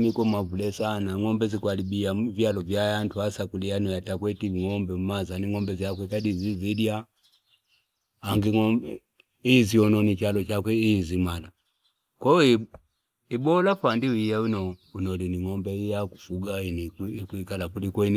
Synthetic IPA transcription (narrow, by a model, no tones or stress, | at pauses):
mikɔmavulɛsanaŋɔmbɛzikwalibijavjalɔvjajantuhasakulianɔjatakwɛtiiŋɔmbɛumazaniŋɔmbɛziakwɛkadizizidia | aŋɡiŋɔ | iziɔnɔnit͡ʃalɔt͡ʃakwɛizimala | kwɔi | ibɔlafandiwijaunɔunɔliniŋɔmbɛijakufuɡainikuikalakulikɔin